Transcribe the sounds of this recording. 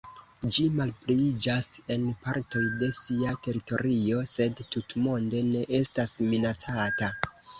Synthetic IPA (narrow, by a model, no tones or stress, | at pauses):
d͡ʒimalplid͡ʒase̞npaɾto̞jde̞siate̞ɾito̞ɾio̞se̞dtutmo̞nde̞ne̞ʔe̞stasminat͡sata